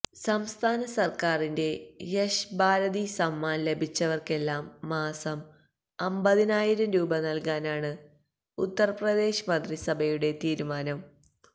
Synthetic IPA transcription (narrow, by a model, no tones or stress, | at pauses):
sɐmst̪ʰaːnɐsɐrkaːrinde̞jɐɕbaːɾɐðisɐmːaːnle̞bʱit͡ɕːɐʋɐrke̞lːaːmːaːsɐm | ɐmbɐðinaːjiɾɐmɾuːbɐnɐlkaːnaːɳɨ | ut̪ːɐrprɐd̪e̞ːɕɐmɐnd̪risɐbʱɐjuɽe̞t̪iːɾumaːnɐm